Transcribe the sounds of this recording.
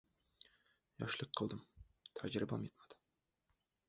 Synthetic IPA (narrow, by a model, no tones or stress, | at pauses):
jɑ̰ʃlˠəqʰːəlˠd̪ɨm | t̪ʰæd͡ʒɾɨbɑ̰mjet̪mɑd̪ɨ̥